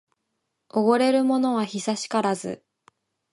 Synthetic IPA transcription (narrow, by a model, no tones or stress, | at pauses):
o̞ɡo̞ɾe̞ɾɯ̟mo̞no̞β̞açisaɕi̥kaɾazɨ̰